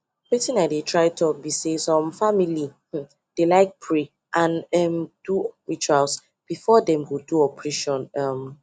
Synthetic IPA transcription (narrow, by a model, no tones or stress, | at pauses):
wɛtĩnaɪdetʰɹaɪtʰɔbisesɔ̃mfamilih̩ | d̥elaɪk̚pʰɹe | ʔãnɛmd̥uɹit͡ʃuals | b̥ifɔdɛ̃mwiduɔpʰɹiʃɔ̃nɔm